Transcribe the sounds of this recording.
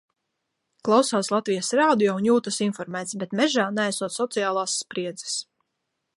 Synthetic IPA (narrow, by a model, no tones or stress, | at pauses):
klˠawsawslˠat̪vijasɾaːd̪ijɔunjuːt̪asinfɔɾmæːt̪sbɛt̪mɛʒaːnɛajsuɔt̪sɔt̪sijaːlˠaːsːpɾiɛd̪zɛ̥s